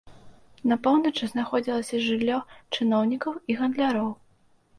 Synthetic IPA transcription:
nɐpɔwnɐt͡ʂɨznaxɔd͡zʲilˠɐsʲɐʐɨlʲːɔt͡ʂɨnɔwnʲikɐwiɣɐnd̪lʲaɾɔw

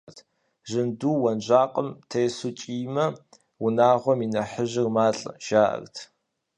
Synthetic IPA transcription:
tʰ | ʒɨnduːwɐnʒʷaːqʼəmtʰejsut͡ʃʼiːmɐ | wʊnaːʁʷɔminɐħəʒɪrmaːɬʼʒaːʔɐ̰rtʰ

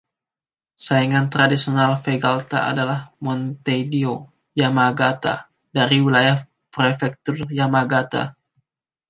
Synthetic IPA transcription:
saiŋant̪ɾadisionalfeɡalt̪a̰a̰dalahmɔnt̪edio | jamaɡat̪a̰ | daɾiwilajah | pɾefɛk̚t̪ʊrjamaɡat̪a̰

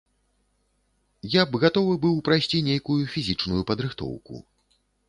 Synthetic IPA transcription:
jabɣat̪ɔvɨbɨwpɾajsʲt͡sʲinʲejkujufʲizʲit͡ʂnujupɐd̪ɾɨxt̪ɔ̰wkṵ

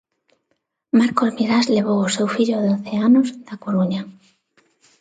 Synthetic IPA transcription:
maɾkozmiɾazleβ̞owosewfiʎoðeonθeanozd̪̥akoɾuɲa

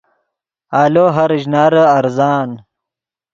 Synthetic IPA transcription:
aːloːɦɐɾʑnaːɾəɐɾzaːn

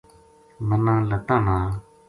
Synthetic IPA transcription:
mənalət̪ana

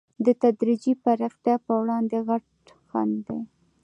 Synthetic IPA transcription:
d̪ət̪ad̪ɾid͡ʒipaɾɑxt̪jɑpəwɽɑnd̪eɣaʈ | xa̰nd̪e

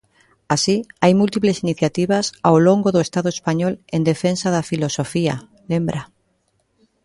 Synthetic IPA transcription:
asiajmult̪iplesiniθjat̪iβasawloŋɡoðoest̪aðoespaɲɔlend̪efensaðafilosofia̰ | lembɾa

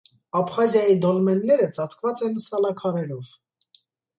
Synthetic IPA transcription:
ɑpχɑzjɑjid̪ɔlmɛnlɛɾət͡sɑt͡sʰkvɑt͡sɛnsɑlɑkʰɑɾɛɾɔv̥

